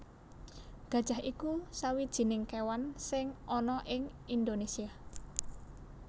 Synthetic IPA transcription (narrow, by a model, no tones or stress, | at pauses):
ɡ̥ä̤d̥ʒ̥a̤hʔikusawid̥ʒ̥i̤nɪŋkewansɪŋʔɔnɔʔɪŋind̪onesia